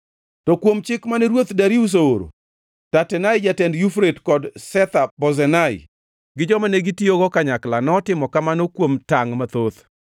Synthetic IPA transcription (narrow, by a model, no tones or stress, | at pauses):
tɔkwomt͡ʃɪkmanɛɾwot̪daɾius̬ooɾo̰ | tatɛnajd͡ʒatɛndjufɾetkɔdsɛt̪abɔzɛnaɪ̰ | ɡɪd͡ʒɔmaneɡitioɡɔkaɲaklanɔtɪmɔkamanokwomtaŋmat̪ot̪